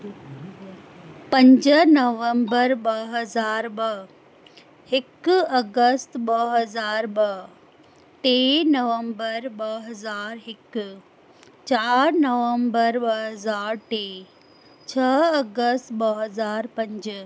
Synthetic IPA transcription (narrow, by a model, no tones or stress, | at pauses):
pɐ̃ɲd͡ʑnɐʋə̃mbəɾɓɐɦɐzaːɾɓɐ | hɪkɐɡəst̪ɓɐɦɐzaːɾɓɐ | ʈeːnɐʋə̃mbəɾɓɐɦɐzaːɾɦɪk | t͡ɕaːɾnɐʋə̃mbəɾɓɐɦɐzaːɾʈeː | t͡ɕʰɐɐɡəst̪ɓɐɦɐzaːɾpɐ̃ɲd͡ʑ